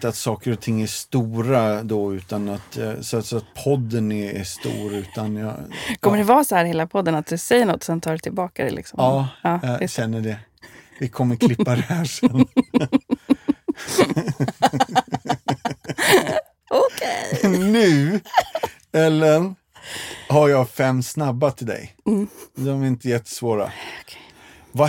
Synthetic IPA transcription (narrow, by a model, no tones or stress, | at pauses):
t̪əat̪sɑːkəɾɔt̪ʰɪŋːæʂt̪uːɾad̪ɔʉ̟ːt̪anat̪sat̪sɔat̪̚pʰɔd̪ːənɛæst̪ṵːɾʉ̟ːt̪anjɑ̰kʰɔməɖɛvɑːsɔhæːɾheːlapʰɔd̪ːənat̪̚d̪ɵsɛjːəɳɔt̪ːɔ̥sɛnt̪ʰɑːɖɛt̪ʰɪlbɑːkad̪ɛ̰lɪ̰ksɔ̰mɑːɑːjɑɕɛnːəɖɛ | vɪkʰɔmːəɾkʰlɪpːaɾɛhæːʂɛnː | okʰenʉ̟ː | ɛlːən | haɾjɑːfɛmːsnabːat̪ʰɪld̪ɛ̰j̩ | d̪ɔmæɾɪnt̪əjɛt̪ʰːə̥svoːɾa̰kʰ | va